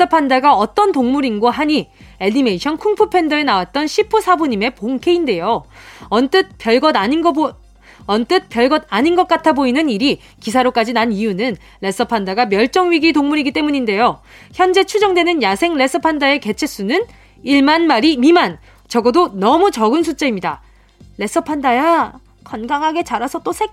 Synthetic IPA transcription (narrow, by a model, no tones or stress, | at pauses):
sʌpʰandaɡaʌt͈ʌntoŋmuɾinɡwoɦaɲi | e̞nime̞iɕʰʌnkʰuŋpʰupʰe̞ndʌe̞nawat̚t͈ʌnɕʰipʰusʰabuɲime̞poŋkʰe̞inde̞joʌnt͈ɯt̚p͈jʌɭɡʌdai | ʌnt͈ɯt̚pjʌɭɡʌdaɲinɡʌt̚k͈atʰaboinɯniɾi | kisʰaɾok͈ad͡ʑinanijunɯn | ɾe̞s͈ʌpʰandaɡamjʌɭt͡ɕ͈ʌŋɥiɡitoŋmuɾiɡit͈e̞muɲinde̞jo | çjʌnd͡ʑe̞t͡ɕʰud͡ʑʌŋdwe̞nɯnjasʰe̞ŋɾe̞s͈ʌpʰandae̞ke̞t͡ɕʰe̞s͈unɯn | iɭmanmaɾimiman | t͡ɕʌɡʌdonʌmut͡ɕʌɡɯns̬ʰut͡ɕ͈aimɲida̰ | ɾe̞s͈ʌpʰandaja | kʰʌnɡaŋɦaɡe̞t͡ɕaɾasʰʌt͈osʰe